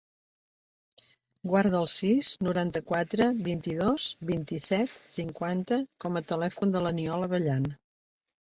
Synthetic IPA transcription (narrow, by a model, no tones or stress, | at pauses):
ɡwaɾðəəlˠsiznuɾant̪əkwat̪ɾəβint̪iðozβint̪isɛt̪siŋkwant̪əkɔmət̪əlɛfund̪ələniɔləβəʎan